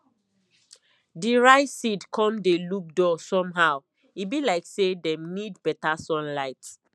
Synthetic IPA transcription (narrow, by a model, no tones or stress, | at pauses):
diɹaɪsidkʰɔ̃mdeluk̚dɔsɔ̃mɦaʊ | ibilaɪksedɛ̃mnidbɛtasɔ̃nlaɪt